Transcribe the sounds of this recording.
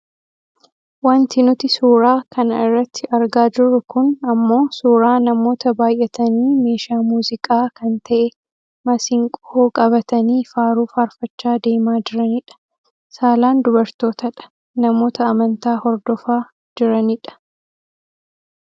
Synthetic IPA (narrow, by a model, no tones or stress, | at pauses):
wɐnt̪ɪnʊt̪ɪsuːɾaːkɐnɐɪrːɐt̪ʰːɪʔɐɾɡaːd͡ʒɪrːʊkʊnɐmːo̞ːsuːɾaːnɐmo̞ːt̪ɐbaːjʔɛt̪ɐniːme̞ːʃaːmuːzɪkʼaːkɐnt̪ʰɐʔɛ | mɐsɪŋkʼɔoːkʼɐβɐt̪ɐniːfaːɾuːfɐɾfɐt͡ʃːaːd̪e̞ːmaːd͡ʒɪɾɐnɪᶑɐ̥ | saːlaːnd̪ʊbɐɾt̪o̞ːt̪ɐᶑɐ̥ | nɐmo̞ːt̪ɐɐmɐnt̪aːhɔɾd̪ɔfaː | d͡ʒɪɾɐnɪᶑɐ̥